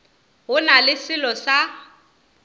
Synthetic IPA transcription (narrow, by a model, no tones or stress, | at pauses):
ɦʊnalɪsɪlɔsa